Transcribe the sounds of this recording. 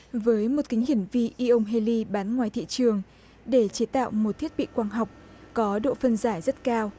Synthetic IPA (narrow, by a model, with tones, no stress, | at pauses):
vəː˨˦jmo˨˩t̚kï˨˦ŋ̟ɦhi˧˩əŋvi˧ʔi˧ʔə˧wŋ͡mɦe˧li˧ɓaː˨˦nŋwaː˨˩jt̪ʰḭ˧˨t͡ɕɨ˨˩əŋ | ɗe˧˩t͡ɕe˨˦t̪a̰ː˧˨wmo˨˩t̪ʰi˦˥ət̚ɓḭ˧˨kwaː˧ŋɦa˨˩wk͡p̚ | kɔ˨˦ɗo̰˧˨fə˧nzaː˧˩jzə˦˥t̚kaː˧w